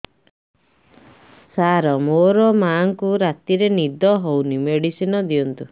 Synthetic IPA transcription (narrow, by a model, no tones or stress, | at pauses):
saɾɔmoɾɔmaŋkuɾat̪iɾenid̪ɔɦownimeɽisinɔd̪iɔnt̪u